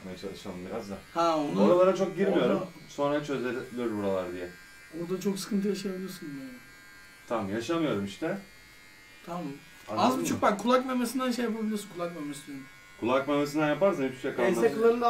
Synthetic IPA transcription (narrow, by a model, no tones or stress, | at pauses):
majat͡ʃʰalˠɯʃalˠɯmbiɾazd̪ahaonnoɾalˠaɾat͡ʃʰo̞k̚ɟiɾmijo̞ɾum | so̞nɾat͡ʃʰø̞zelʲijoɾbuɾalˠaɾd̪ijɛ | oɾd̪at͡ʃʰo̞ksɯ̥kʰɯnt̪ʰɯjaʃajabilʲijoɾsunan | t̪ʰamjaʃamɯjo̞ɾumiʃt̪ɛ | t̪ʰam | aazbyt͡ʃʰuk̚bakkʰːulˠak̚memesind̪ænʃ̬ejapabɯmnasɯkʰulˠakmemes | kʰulˠakmemesind̪ænjapaɾsanip̪ʰy̥ʃjakaaakɯlˠaɾa